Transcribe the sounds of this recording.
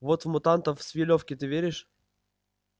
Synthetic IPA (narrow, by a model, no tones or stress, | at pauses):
vot̪vmʊt̪ant̪əfsʲvʲɪlʲofkʲɪt̪ɨvʲeɾʲɪʂ